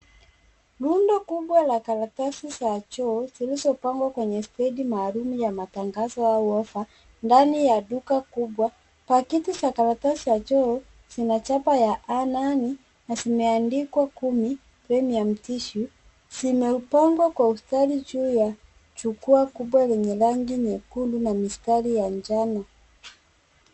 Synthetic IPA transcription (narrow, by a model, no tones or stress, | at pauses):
lundɔkubwalakalatasisat͡ʃɔːzilizɔpaŋɡwakwɛɲɛstɛdimaːlumujamataŋɡazɔauɔfa | ndanijadukakubwa | pakitusakalatasiat͡ʃɔ | zinat͡ʃapajaʔanani | nasimɛandikwakumi | pɾɛmiam̩tiʃu | simɛupaŋɡwakwaustalid͡ʒuːja | t͡ʃukuakubwalɛɲɛlaŋɡiɲɛkundunamistalijaɲd͡ʒana